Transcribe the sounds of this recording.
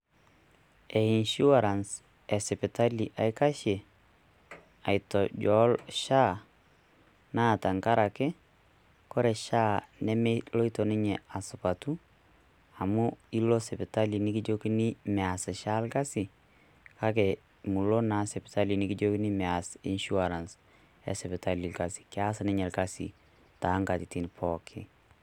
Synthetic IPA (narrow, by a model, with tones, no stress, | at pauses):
ɛ˨i˨nʃu˦wa˨ɾa˨ns | ɛ˨sɛ˨pita˦li˨ʔa˨jka˦ʃɛ˨ | a˨jtɔ˨ɟɔ˦lʃa˦ | na˦˨ta˨ŋka˦ɾa˨kɛ˦ | kɔ˦ɾɛ˨ʃaː˦nɛ˦mɛlo˦i˦to˨ni˦ɲɛ˨a˨sʊ˨pa˨tu˦ | a˨mu˦i˦lo˦sɛ˨pɪ˨ta˦li˨nɪ˦ki˦d͡ʒo˦ki˦ni˦mɛ˨a˨sɪ˨ʃa˦lka˦si˨ | ka˦kɛ˨ | mu˨lo˦na˦sɛ˨pɪta˦li˨nɪ˦kɪ˦d͡ʒo˦ki˦ni˦mɛ˨a˨sḭ˦nʃu˦aɾa˨ns | ɛ̰˨sɛ˨pɪ˨ta˦li˨lka˨si̥˨kɛa˦sɪnɪ˦ɲɛ˨lka˦sḭ˨ | ta˨˦ŋka˨ti˨ti˦npʰɔkʰɪ